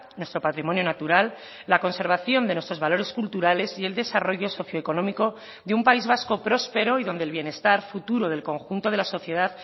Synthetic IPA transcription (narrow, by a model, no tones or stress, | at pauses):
nwe̞st̪ɾo̞pat̪ɾimo̞njo̞nat̪uɾalː | ako̞nse̞ɾβ̞aθjo̞nd̪enwest̪ɾo̞zβalo̞ɾe̞skult̪uɾale̞sie̞ld̪e̞saro̞ʝo̞so̞θjo̞eko̞nõmiko̞ | ðeumpaizβasko̞pɾo̞spe̞ɾo̞iðo̞nd̪elβje̞ne̞st̪aɾfut̪uɾo̞ð̞e̞lko̞ŋxunt̪o̞ð̞e̞laso̞θje̞ð̞að